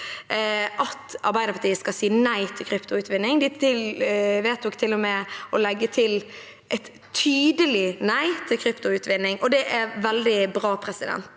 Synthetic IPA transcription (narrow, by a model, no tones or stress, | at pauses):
ʔɑt̪ːɑɾbæɪd̪əɾpʰɑʈ̪ʰiːəskɑsiːnæɪt̪ʰɪlkʰɾʏpt̪ʊʉːt̪ʋɪnːɪŋd̪ɪɪlʋeːt̪̚d̪ɔkt̪ʰɪlːʊmɛʔɔlɛɡːət̪ʰɪl | ʔɛt̪ʰːyːd̪əlɪnæɪt̪ʰɪlkʰɾʏpt̪ʊʉːt̪ʋɪnːɪŋʔɔd̪ɛʔæɾʋɛld̪ɪbɾɑːpʰɾɛsɪd̪ɛ̰nt̪